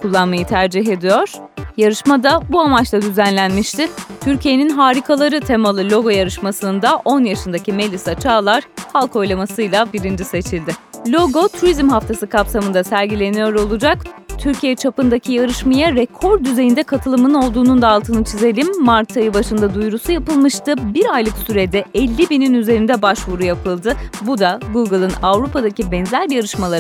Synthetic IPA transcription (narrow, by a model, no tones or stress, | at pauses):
kʰulˠːanmajɯt̪ʰæɾd͡ʒiɦe̞d̪ijo̞ɾ̥ | jaɾɯʃmad̪abuamat͡ʃlˠad̪yzænlʲænmiʃt̪ʰɪt̪ʰyɾcʰije̞ninɦaːɾikʰalˠaɾɯt̪ʰe̞malˠɯlʲo̞ɡo̞jaɾɯʃmasɯnd̪aʔo̞njaʃɯnd̪acʰime̞lʲisat͡ʃʰaːlˠaɾ̥halˠkʰo̞jlˠamasɯjlʲˠabiɾind͡ʒise̞t͡ʃʰilʲd̪ɪlʲo̞ɡo̞t̪ʰuɾizmɦaft̪ʰasɯkʰapsamɯnd̪asæɾɟilʲe̞nijo̞ɾo̞lˠud͡ʒakt̪ʰyɾcʰijɛt͡ʃʰapɯnd̪acʰijaɾɯʃmajaɾekʰo̞ɾd̪yze̞jind̪ɛkʰat̪ʰɯlˠɯmɯno̞lˠd̪uːnund̪aːlˠt̪ʰɯnɯt͡ʃʰize̞lʲimːaɾt̪ʰajɯbaʃɯnd̪ad̪ujɾusujapɯlˠmɯʃt̪ɯbiɾajlˠɯksyɾed̪ɛɛlʲːibininyze̞ɾind̪ɛbaʃvuɾujapʰɯlˠd̪ɯbud̪aɡuɡɯlˠɯnavɾupʰad̪acibɛnzæɾjaɾɯʃmalˠaɾ